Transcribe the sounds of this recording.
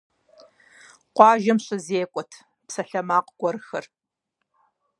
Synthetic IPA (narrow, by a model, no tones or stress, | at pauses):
qʷɑːʒɐmɕʼɪzeːkʷʼɔtʰ | psɐɬɐmaːqɡ̥ʷɔɾɨxɐr